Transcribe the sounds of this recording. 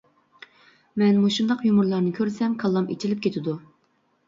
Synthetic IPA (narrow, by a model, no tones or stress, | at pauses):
mɛnmuʃund̪ɑqjumʊɾlˠɑɾnɨkʲʰøɾsɛmkʰɑlˠːɑmḛt͡ʃʰilɪp̚kʲʰet̪ʰɪd̪u